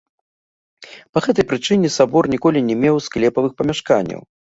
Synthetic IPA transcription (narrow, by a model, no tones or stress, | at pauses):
pɐɣɛt̪ɐjpɾɨt͡ʂɨnʲɛsabɔrnʲikɔlʲinʲɛmʲɛwsklʲɛpɐvɨxpɐmʲaʂkanʲːɐ̰w